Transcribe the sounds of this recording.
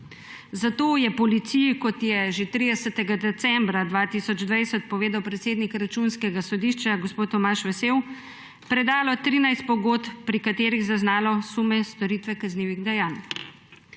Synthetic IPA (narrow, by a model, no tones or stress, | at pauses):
zat̪oːjɛpɔlit̪sijikɔt̪jɛʒet̪ɾid̪ɛsɛt̪ɛɡad̪ɛt̪sɛmbɾad̪ʋaːt̪isɔd͡ʒd̪ʋajsɛt̪̚pɔʋeːd̪awpɾɛt̪seːd̪nikɾat͡ʃunskɛɡasɔd̪iʃt͡ʃaɡospoːt̪ːɔmaʃʋɛsew | pɾɛd̪aːlɔt̪ɾiːnajst̪̚pɔɡoːt̪pɾikat̪eːɾiɣzaznaːlɔsumɛst̪ɔɾiːt̪ʋɛkazniːʋiɣd̪ɛjaːn